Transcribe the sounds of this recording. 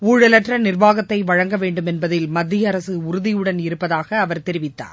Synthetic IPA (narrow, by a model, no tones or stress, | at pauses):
uːɻɐlɐʈrɐnɪrʋaːɣɐt̪ːɐɪʋɐɻɐŋɡɐʋeːɳɖɯmɛnbɐðɪlmɐd̪ʱːɪjɐɾɐsɯʊɾʊðɪjɯɽɐnɪɾɯpːɐðaːɣɐːʋɐɾt̪ɛɾɪʋɪt̪ːa̰ːɾ